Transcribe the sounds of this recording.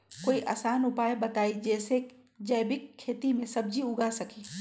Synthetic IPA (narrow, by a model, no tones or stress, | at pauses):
koːiʔa̰saːnʊpaːjbɐt̪aːid͡ʒɛːse | d͡ʒɐjbɪkʰːeːt̪imẽsɐb̚d͡ʒʱiʊɡasɐkiː